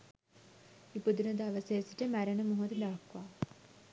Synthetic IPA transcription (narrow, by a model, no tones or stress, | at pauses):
ipud̪unɐd̪aʋəsesiʈəmæɾenəmuɦod̪əd̪aɐkʋaː